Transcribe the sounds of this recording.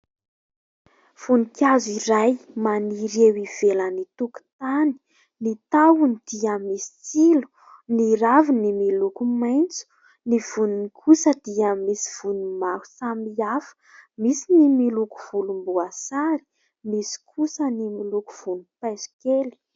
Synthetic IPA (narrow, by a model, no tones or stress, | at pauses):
v̥unikaziɾajmaniɾewiv̥elənit̪uku̥t̪ani̥ | nit̪awunid̪̥iəmisi̥t͡silu̥ | niɾavinimilukumajnt͡su̥ | niv̥ununikʰusəd̪̥iəmisi̥v̥unumahu̥samiafə̥misinimiluku̥v̥ulumbuasaɾi̥ | misi̥kʰusənimiluku̥v̥unupajzi̥keli̥